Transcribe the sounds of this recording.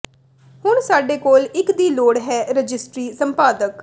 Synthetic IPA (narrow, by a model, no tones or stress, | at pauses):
hʊɳsaːɖeːkoːlɪkd̪iːloːɽɦɛːɾəd͡ʒɪsʈɾiːsəmpaːd̪ək